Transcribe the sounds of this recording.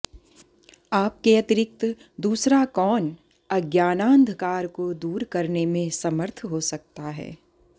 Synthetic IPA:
aːp̚keɐt̪ɪɾɪk̚t̪ | d̪uːsɾakɔːn | ɐɡjaːnãːnd̪ʱkaːɾkod̪uːɾkɐɾnemẽsɐməɾt̪ʰɦosɐk̚t̪aɦɛ̰ː

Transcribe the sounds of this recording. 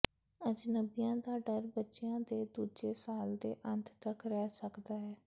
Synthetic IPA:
əd͡ʒnəbijãːd̪aːɖəɾbətːʃɪjãːd̪eːd̪uːd͡ʒeːsaːld̪ḛːʔənt̪ʰt̪əkɾɛːsəkd̪aːɦɛː

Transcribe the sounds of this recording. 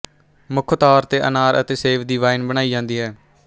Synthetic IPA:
mʊkʰt̪aːɾt̪eːʔənaːɾə̰t̪eːseːpʰd̪iːʋaːɪnbəñaːiːd͡ʒãːnd̪iːɦɛː

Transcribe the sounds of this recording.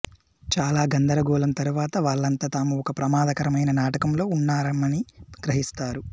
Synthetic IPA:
t͡ʃaːlaːɡɐnd̪ɐɾɐɡɔːlɐmt̪ɐɾuʋaːt̪ɐʋaːɭːɐnt̪aːt̪aːmuɔkɐpɾɐmaːd̪ɐkɐɾɐmɐjnɐnaːʈɐkɐmlo̞ːunːaːɾɐmɐniɡɾɐɦist̪aːɾu

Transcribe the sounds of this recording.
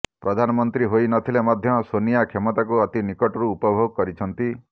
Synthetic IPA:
pɾɔd̪ʱanɔmɔnt̪ɾiɦojnɔt̪ʰilemad̪ʱjɔsonijakʰemɔt̪ak̬uɔt̪inikɔʈɔɾuːpɔbʱoɡɔkɔɾit͡ʃʰɔnt̪i

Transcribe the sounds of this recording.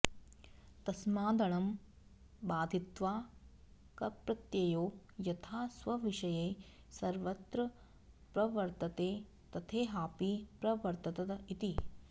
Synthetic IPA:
t̪ɐsmaːd̪ɐɳɐm | baːd̪ʱit̪ʋaː | kɐpɾɐt̪jɐjoːjɐt̪ʰaːsʋɐʋiʃɐjeː | sɐɾʋɐt̪ɾɐ | pɾɐʋɐɾt̪ɐt̪eː | t̪ɐt̪ʰeːɦaːpipɾɐʋɐɾt̪ɐt̪ɐt̪ɐit̪i

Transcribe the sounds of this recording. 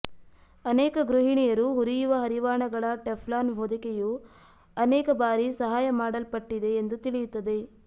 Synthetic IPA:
ɐneːkɐɡɾuɦiɳijɐɾuɦuɾijuʋɐɦɐɾiʋaːɳɐɡɐɭɐʈepʰlaːnbʱoːd̪ikeju | ɐnɛːkɐbaːɾisɐɦaːjɐmaːɽɐlpɐʈːid̪e̞ːnd̪ut̪iɭijut̪ːɐd̪e̞

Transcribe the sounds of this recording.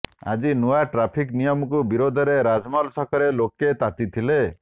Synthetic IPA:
a̰d͡ʒinuaʈɾapʰiknijɔmɔk̬ubiɾod̪ʱɔɾeɾad͡ʒmɔlsɔkʰɔɾeloket̪at̪it̪ʰile

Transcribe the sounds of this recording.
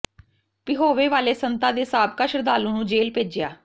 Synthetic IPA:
pɪɦoːʋeːʋaːleːsənt̪ãːd̪eːsaːb̚kaːʃəɾd̪aːlõːnũːd͡ʒeːlpeːd͡ʒɪjaː

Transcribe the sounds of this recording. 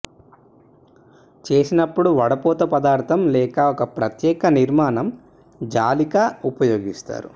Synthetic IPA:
t͡ʃe̞ːsinɐpːuɽuʋɐɽɐpɔːt̪ɐpɐd̪aːɾt̪ʰɐmlɛːkɐɔkɐpɾɐt̪jɛːkɐniɾmaːnɐm | d͡ʒaːlikaupɐjoːɡist̪a̰ːɾu

